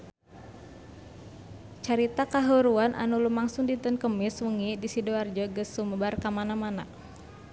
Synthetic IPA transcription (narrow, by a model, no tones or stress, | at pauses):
t͡ʃaɾit̪akaɦuɾuanʔa̰nulumaŋsuŋdit̪ənkəmɪswuŋidisidoard͡ʒəɡəsuməbarkamanamana̰